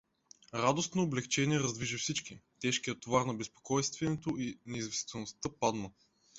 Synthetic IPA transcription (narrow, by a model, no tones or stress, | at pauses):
ɾad̪osnoːblɛkt͡ʃɛniɛɾɐzd̪viʒifsit͡ʃkit̪ɛʃkijət̪ovaɾnɐbɛspo̥kɔjst̪vɛnɛt̪oʔinɛizvɛst̪ɛlˠnost̪ɤpad̪nə